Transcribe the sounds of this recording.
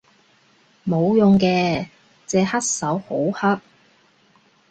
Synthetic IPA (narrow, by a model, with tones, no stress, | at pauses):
mo˨˧wjʊ˨ŋkɛː˧ | t͡sɛː˧hɐ˥t̚sɐ˨˥who˨˥whɐ˥t̚